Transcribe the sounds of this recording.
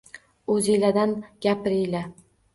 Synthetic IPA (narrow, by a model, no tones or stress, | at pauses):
ɵzilad̪anɡʲapɪɾɪjla